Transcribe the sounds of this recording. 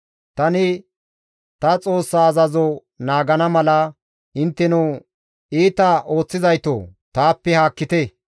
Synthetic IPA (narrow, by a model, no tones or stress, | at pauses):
t̪ɐnɪ | t̪ɐt͡sʼo̞ːsːaːzɐzo | naːɡɐnɐmɐlɐ | ʔɪnt̪ːɛnuː | iːt̪ɐʔo̞ːt͡sːɪzɐjt̪o̰ːt̪aːpːɛhaːkːɪt̪e